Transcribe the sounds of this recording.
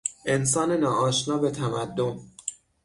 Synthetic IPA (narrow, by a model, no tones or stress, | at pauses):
ʔe̞ns̬ɒːnenɒːʔɒːʃnɒːbe̞t̪ʰæmæd̪ːo̞n